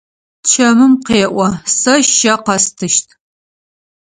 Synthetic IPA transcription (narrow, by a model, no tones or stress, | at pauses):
t͡ʃʰɐmɨmqeːʔʷɔsɐʃʃɐqɐstʰɨʃtʰ